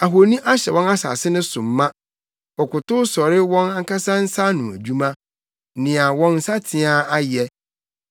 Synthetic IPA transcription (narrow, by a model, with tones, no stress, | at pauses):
a˨ɦo˨nĩ˦ʔa˦ɕɛ˨wɔ̃˦na˦sa̰ː˨sɪ˦nʊ̃˦sʊ̃˨mːã˦ | ɔ˨kʊ˨tʊ˦sɔ˨ɾɪ˦wɔ̃˦na˦ŋ˦ka˦sã˦n̩˦sa˦nʊ̃˨æ̰˨d͡ʑᶣu˦mã˦ | nɪ̃˨a˨wɔ̃˦nn̩˦sa˦tʰɪ̃˨˦a˦a˦jɛ˦